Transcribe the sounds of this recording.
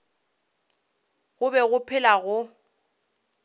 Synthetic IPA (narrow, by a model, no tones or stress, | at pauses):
ɣʊbɛɣʊpʰɪlaɣʊ